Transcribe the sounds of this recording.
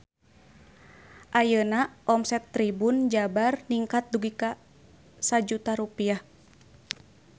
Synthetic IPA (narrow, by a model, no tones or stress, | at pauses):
ʔajənaɔmsɛt̪ːɾibund͡ʒabarniŋkat̪̚duɡika | sad͡ʒut̪aɾupiah